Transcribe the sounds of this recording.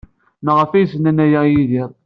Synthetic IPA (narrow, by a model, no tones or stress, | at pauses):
nəʁəfæjsənænæjæjiðiɾˤ